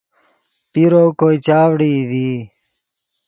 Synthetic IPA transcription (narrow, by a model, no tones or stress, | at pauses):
piɾoːkoːit͡ɕaːʋɽiːd̪iː